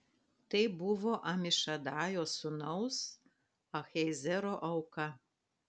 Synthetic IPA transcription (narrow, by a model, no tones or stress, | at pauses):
t̪ɐɪbʊʋoːʔɐmʲɪʃɐd̪ɑːjoːsʊnɐʊs | ɐxʲɛɪzʲɛɾoːʔɐʊkɐ